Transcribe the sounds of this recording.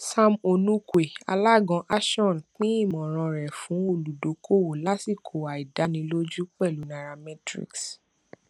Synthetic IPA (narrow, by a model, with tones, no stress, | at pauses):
sa˧mo˧nũ˦kwe˨a̰˧la˦˨ɡɔ̃˨˧˦ʔa˦ʃɔ̃˦˨nk͡pĩ˦i˦˨mɔ̃˨ɾ̃ɔ̃˧ɾɛ˨fũ˨˦o˦˨lu˨do˨˦kʰo˦˨wo˨la˦si˦˨kʰo˨wa˨i˨da˨˦nĩ˧lo˦d͡ʒu˦k͡pɛ˦˨lu˨˦na˧ɾa˧mɛ˦tɾḭ˦ks